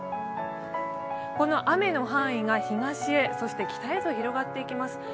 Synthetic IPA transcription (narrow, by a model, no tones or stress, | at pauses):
ko̞no̞ʔame̞no̞ɦãɰ̃iɡaçiɡaɕie̞so̞ɕi̥t̪e̞kʲi̥t̪aet̪o̞çiɾo̞ɡat̪ːe̞ikʲimasɨ̥